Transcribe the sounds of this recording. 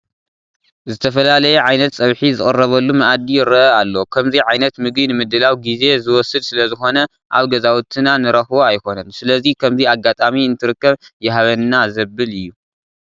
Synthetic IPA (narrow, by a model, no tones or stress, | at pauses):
zɨt̪ʰɐfɐlalɐjɛʕajnɐt̪sʼɐβħizɨkʼɨrːɐβɐlːumɐʔad̪ijɪɾɐalːo̞kʰɐmziʕajnɐt̪mɨɡinɨmɨd̪ɨlawɡize̞zɨwɔsɨd̪sɨlɐzɨxo̞nɐ | ʔa̰βɡɐzawut̪ʰɨnanɨɾɐxβoajko̞nɐnsɨlɐzikʰɐmziaɡat̪ʼamiɨnt̪ʰɨɾɨkːɐβjɛhaβɐnːazɐbːɨlɨjːu